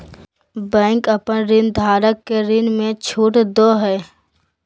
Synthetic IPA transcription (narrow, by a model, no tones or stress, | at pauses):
bɛ̃ːŋkəpənɾɪnd̪ʱaːɾəkːeɾɪnmẽt͡ʃʰuːʈd̪oːɦɛː